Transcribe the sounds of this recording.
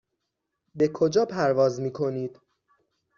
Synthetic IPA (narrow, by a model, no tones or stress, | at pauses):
be̞kʰo̞d͡ʒɒːpʰæɾvɒːzmiːkʰo̞niːd̪